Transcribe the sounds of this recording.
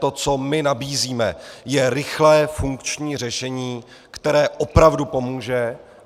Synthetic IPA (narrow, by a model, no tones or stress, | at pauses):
t̪o̞t͡so̞mɪnabiːziːmɛ̰jɛɾɪxlɛːfuŋkt͡ʃɲiːr̝ɛʃɛɲiː | kt̪ɛɾɛːʔopɾavdupo̞muːʒɛ